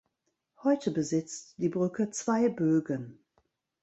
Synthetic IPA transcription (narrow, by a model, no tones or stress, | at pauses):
hɔʏtʰəbəzɪt͡std̥iːbʁʏkət͡sv̥aɪbøːɡən